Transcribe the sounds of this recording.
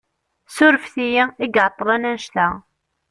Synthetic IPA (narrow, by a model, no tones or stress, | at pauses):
sʊɾəfθijiiɡʕt̪ˤːlˤænænʃtæ